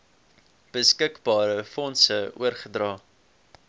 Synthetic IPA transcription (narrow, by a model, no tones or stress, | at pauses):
b̥əskəkbɑːɾəfɔnsəṵərχədrɑː